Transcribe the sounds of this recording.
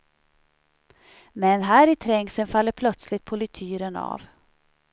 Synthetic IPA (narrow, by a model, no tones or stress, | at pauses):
mɛnɦæːɾɪt̪ʰɾɛŋsənfalːəɾpʰlœt̪slɪt̪̚pʰɔlɪt̪ʰyːɾəna̰v